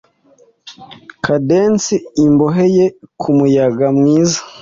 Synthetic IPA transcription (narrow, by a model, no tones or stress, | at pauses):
kʰadensiːmboɦe̞je̞kʰumujaɡamŋiːzḁ